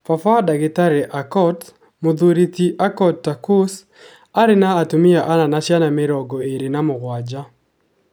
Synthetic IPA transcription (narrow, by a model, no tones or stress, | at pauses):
fafaɔdaɡɪtaɾɛʔakɔt | mʊd̪uɾitiʔakɔttːakos | aɾɪnaːtumɪaʔananat͡ʃjanameɾɔɡɔeɾenamʊɣwad͡ʒa